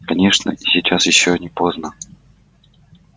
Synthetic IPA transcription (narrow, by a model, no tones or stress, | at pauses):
kɐnʲe̞ʂnə̰ɪsʲɪt͡ɕasjɪɕːonʲɪpoznə